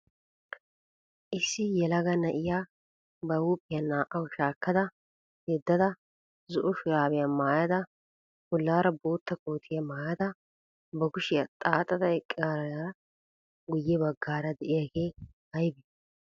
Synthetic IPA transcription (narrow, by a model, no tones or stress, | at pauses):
ʔɪsːɪjɛlɐɡɐnɐʔɪja | bɐwuːpʼːɪjɐnaːʔɐwʊʃaːkːɐd̪ɐ | hɛd̪ːɐd̪ɐ | zɔʔɔʃʊjaːbɪjɐmaːjɐd̪ɐ | bʊlːaːɾɐboːt̪ːɐkoːt̪ʰɪjɐmaːjɐd̪ɐ | bɐɡʊʃɪjɐt̪ʼaːt̪ʼːɐd̪ɐɛkʼːɪaːɾɐja | ɡʊjːɛbɐɡːaːɾɐd̪ɛʔɪjaɡeː | hɐjbɪ